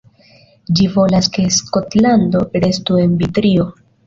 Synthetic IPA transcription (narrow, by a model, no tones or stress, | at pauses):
d͡ʒivo̞laske̞sko̞tlando̞ɾe̞stue̞nbitɾio̞